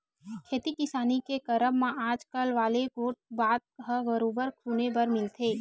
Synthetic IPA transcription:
kʰeːt̪ikɪsaːnikekəɾəmːãaːd͡ʒkəlʋaːleɡoːʈ̚baːt̪̚ɦəɡəɾoːbəɾkʰuːnebəɾmɪlt̪ʰeː

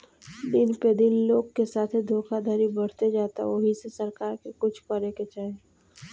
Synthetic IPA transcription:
d̪ɪnped̪ɪnloːɡkesaːt̪ʰid̪ʱoːkʰad̪ʱaːɾibəɽ̤t̪ed͡ʒaːt̪a̰oɦisesɐɾkaːɾkekʊt͡ʃʰpəɾeket͡ʃaːɦe

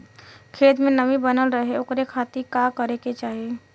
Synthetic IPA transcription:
kʰeːt̪mẽnəʋibənəlɾəɦeʊkɾekʰaːt̪ikaːkəɾeket͡ʃaːɦie

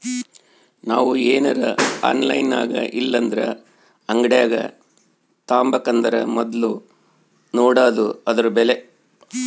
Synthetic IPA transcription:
naːʋueːnɐɾɐa̰ːnlɐ̰jna̰ːɡɐ̰ʔilːɐnd̪ɾɐ̰ | ɐŋɡɐɽjaːɡɐ̰ | t̪aːmbɐkɐnd̪ɐɾɐ̰mɔd̪ɐlu | noːɽaːd̪uɐd̪ɐɾubele

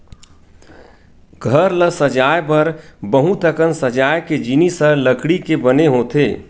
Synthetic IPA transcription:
ɡʱəɾləsəd͡ʒaːjbəɾbəɦũt̪əkənsəd͡ʒaːjked͡ʒinisələkɽikebəneɦot̪ʰeː

